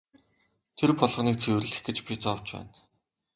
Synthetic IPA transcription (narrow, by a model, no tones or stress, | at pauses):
t̪ʰerpɔɮʁ̆niːk̚t͡sʰewrɘ̆ɮɘ̆xɡet͡ɕpʲit͡sɔwt͡ɕpæ̰ːn